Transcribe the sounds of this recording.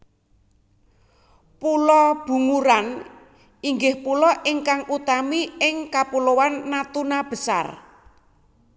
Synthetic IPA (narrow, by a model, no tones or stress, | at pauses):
pulɔb̥ṳŋuɾan | iŋɡɪhpulɔʔɪŋkaŋʔut̪amiɪŋkapulowanːat̪unab̥ə̤sa̰r